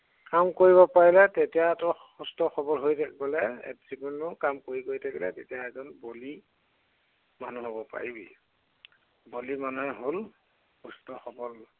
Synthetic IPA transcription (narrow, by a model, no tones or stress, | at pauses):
kamkoɹibɔpaɹilɛtetijaɛtɔxustɔxɔbɔlɦojtʰakibɔlɛɛ̰tzikunːʊkamkoɹikoɹjtʰakɛlɛ̰tetijaɛzɔnboli | manuɦobɔpa̰ɹibḭ | bolimanuɦɛɦol | xustɔxɔbɔl